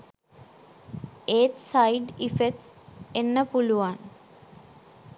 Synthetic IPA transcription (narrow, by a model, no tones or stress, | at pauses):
eːʈsajɖifekʈs | enːəpuluʋaːn